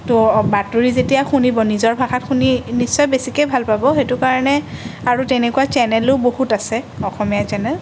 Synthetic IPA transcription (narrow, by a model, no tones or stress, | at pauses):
tobatuɹizetijaxunibɔnizɔɹbʱaxatxʰuninisːɔjbesikejbʱalpabɔxetʊkaɹɔnɛaɹutɛnekuat͡ʃɛnɛlʊbohutasɛ | ɔxɔmijat͡ʃɛnɛl